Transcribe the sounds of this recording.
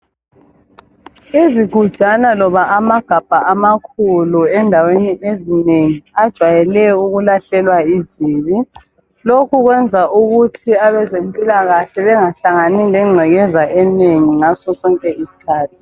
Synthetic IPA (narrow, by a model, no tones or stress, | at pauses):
iziɡ̥ʱu̥ʒ̥ʱanalɔβaʔamaɡ̥ʱab̥ʱaamakʰuluɛndʱaweniʔezineŋiad̥ʒ̥ʱwajɛlɛuɣulaɬɛlwaiziːβi | lokʰuɣwɛnd͡zʱauɣutʰiaβɛzempʼilaɣaɬɛβɛŋaɬaŋanilɛŋ͡ǀʱɛɣɛzaʔɛneŋiŋasɔsɔŋkʼɛʔisi̥kʰaːtʰi̥